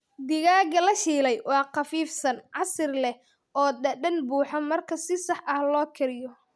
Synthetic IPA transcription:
d̪ɪɣaːɣɐlɐʃiːlɛjwɑːqɑfiːfsɐnʕɑsɪrlɛ | ʔɔːɖɐɗɐnbuːħɐmɐrkʰɐsɪsɑħʔɐhlɔːkʰɪɾɪjɔ

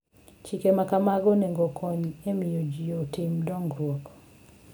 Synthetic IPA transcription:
t͡ʃikemakamaɡɔneŋɡɔkʰɔɲemɪjod͡ʒijotɪmdɔŋɡɾwɔk

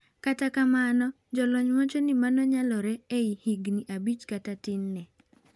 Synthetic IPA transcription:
katakamanɔ | d͡ʒɔlɔɲmat͡ʃɔnimanɔɲalɔɾɛeihiɡniʔabit͡ʃkatatɪnːɛ

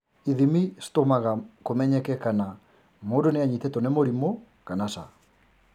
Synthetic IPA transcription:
iðimistomaɣakomɛɲɛkɛkana | modoneaɲitɛtɔnemoɾimo | kanasa̰

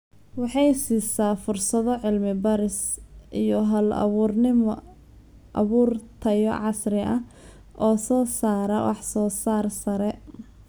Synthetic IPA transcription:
wɑħɑjsiːsaːfʊrsɐðɔʕɪlmɪbɐɾɪsʔijɔɦɐl̰rnɪm | ʔɐ̰βuːrt̪ʰɐjɔ̰ʕɑsɾɪʔɐ | ʔɔːsɔːsaːɾɐwʔɑ̰ħsɔːsaːrsɐɾɛ

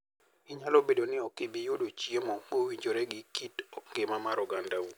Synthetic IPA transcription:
ɪɲalobedonɪɔkɪbijodot͡ʃiemɔmowiɲd͡ʒoɾɛɡɪkitŋɡemamaɾɔɡandau

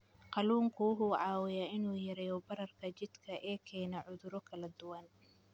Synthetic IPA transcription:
qɑluːŋkʰʊwʊɦuːʕɑːwɪjaɪnuːjɐɾɛjɔbɐɾɐrkʰɐt͡ʃɪd̪kʰɐʔɛːkʰɛːnɐʕʊðʊɾɔkʰɐlɐd̪ʊwɐn

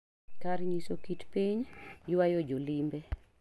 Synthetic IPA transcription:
kaɾɲisokitpiɲjwajod͡ʒolimbe

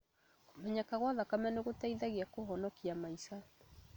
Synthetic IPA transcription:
komɛɲakaɣwaðakamaneɣotaiðaɣeakoɦɔnɔkiamaisa

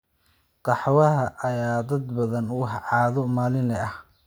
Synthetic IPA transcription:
qɑħwɐɦɐʔɐjaːd̪ɐd̪bɐðɐnwɑħʕɑːðɔmaːlɪnlɛʔɐh

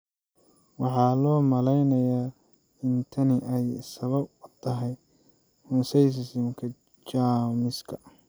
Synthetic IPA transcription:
wɑħɑːlɔːmɐlɛjnɐjaː | ɪnt̪ʰɐnɪʔɛjsɐβɐb̚t̪ʰɐɦɛj | mʊsɛjs̬ɪsɪmkʰɐ | t͡ʃaːmɪskʰɐ

